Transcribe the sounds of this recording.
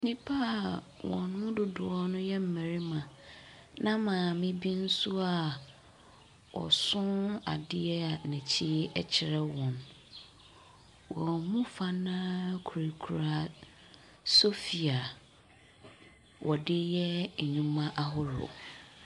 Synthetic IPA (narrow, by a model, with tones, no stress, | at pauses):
nĩ˦pʰa˦˨ | wɔ̃˨nʊ̃˦dʊ˨dʊ˨ɔ˦nʊ̃˦jɛ˦m̩˦˨mɛ˨ɾi˦mã˨ | nã˦mã˨mɪ̃˦bĩ˦n̩˦sʊ˦a˨ | wɔ̰˨sʊ̃˦na̰˨dɪ˦ɛ˦a˨nɛ̃˨t͡ɕʰi˦ɛ˦t͡ɕʰɪ˨ɾɛ˦wɔ̃˨n | wɔ̃˨mũ˦fa˦nã˦kʰu˨ɾi˨kʰu˨ɾa˦˨ | so˦fi˨a˨ | wʔɔ˨dɪ˦jɛ˦˨ɲũ˦mã˦ʔa˦ɦʊ˦ɾʊ̰˨